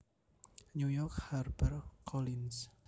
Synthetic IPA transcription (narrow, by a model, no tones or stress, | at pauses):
nujɔk̚harbərkʰɔlins